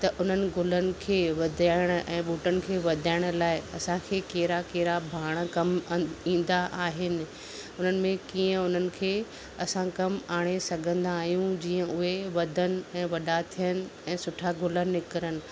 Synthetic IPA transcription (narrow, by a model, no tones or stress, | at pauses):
t̪ɐʔʊn̤ənɪ̆ɡʱʊlənɪ̆kʰeːʋɐd̪ʱaːɪɽ̃ʊ̆ʔɛ̃ːɓuːʈənɪ̆kʰeːʋɐd̪ʱaːɪɽ̃ʊ̆laːɪɐ̰sãkʰeːkeːɾakeːɾabʱaːɽ̃əkɐmĩːnd̪aʔaːɦɪnɪ̆ | ʊn̤ənɪ̆mẽkiːə̃ʊn̤ənɪ̆kʰeː | ɐsãkɐmaːɽ̃esɐɡʱə̃nd̪aːɦijũd͡ʑiːə̃ʊɦeʋɐd̪ʱənɪ̆ɛ̃ːʋɐɗat̪ʰijənɪ̆ɛ̃ːsʊʈʰaɡʱʊlənnɪkəɾənɪ̆